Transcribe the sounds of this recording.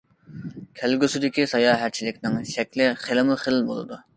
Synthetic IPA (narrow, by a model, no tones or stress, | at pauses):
kʲʰælɡʲysyd̪ɪkʲisɑjɑɦæɾt͡ʃʰilɪkʲnɪŋʃɛkʲlɪχelɪmuχelɪlbo̰lˠɨ̰d̪u